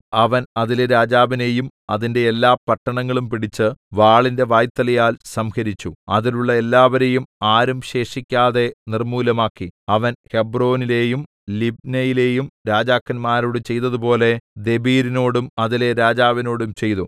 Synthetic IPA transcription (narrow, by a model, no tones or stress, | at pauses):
ɐʋɐnɐðilɾaːd͡ʑaːʋine̞jumɐðinde̞ːlːaːpɐʈːɐɳɐŋːɐɭumpiɽit͡ɕːɨʋaːɭinde̞ʋaːjt̪ːɐlɐjaːlsɐmhɐɾit͡ɕːuɐðiluɭːɐe̞lːaːʋɐɾejumaːɾumɕe̞ːʂikʲːaːðe̞nirmuːlɐmaːkːiɐʋɐnhe̞bro̞ːnile̞ːjum | lib̚nɐjile̞ːjumɾaːd͡ʑaːkːɐnmaːɾoːɽɨt͡ɕe̞jt̪ɐðupo̞ːle̞d̪e̞biːɾino̞ːɽumɐðileɾaːd͡ʑaːʋɐno̞ːɽumt͡ɕe̞jt̪u